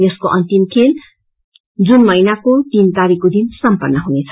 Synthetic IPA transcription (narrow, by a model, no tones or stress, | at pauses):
jʌskoʔʌnt̪imkʰel | d͡zunmʌjnakot̪int̪aɾikod̪insʌmpʌnːʌɦunet͡sʰʌ̥